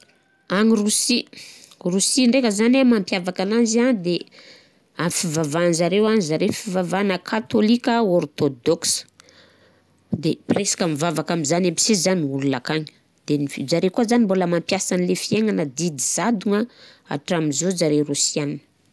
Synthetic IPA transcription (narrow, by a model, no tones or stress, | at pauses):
aŋirusi | rusiɳɖ͡ʐekəzanamampjavakananzianid̪e | amfivavanzaɾewanizaɾefivavanəkʰat̪olikʲəort̪od̪oks | d̪epresḁkamivavakamizanampi̥sizaniululakaɲi̥ | d̪̥enifid͡ʒaɾekuazanimboləmampjasanilefieŋanəd̪id̪iz̥ad̪uŋaa̰ʈ͡ʂamizod͡ʒaɾerusianinə̥